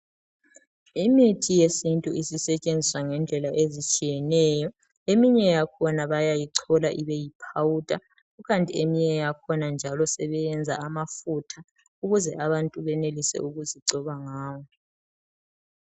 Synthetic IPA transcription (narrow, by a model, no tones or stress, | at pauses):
imitʰijesintʼuisisɛt͡ʃʼend͡zʱiswaŋɛnd͡ɮʱɛlaʔezit͡ʃʼijɛnɛːjɔ | emiɲɛjakʰɔnaβajajiǀʰɔlaʔiβejipʰawutʼa | uɣantʼiemiɲɛjakʰɔnand͡ʒʱalɔsɛβɛjɛnd͡zʱa̰ːmafutʰa | uɣuzɛʔaβantʼuβɛnelisɛ̰uɣuziǀɔβaŋaːwɔ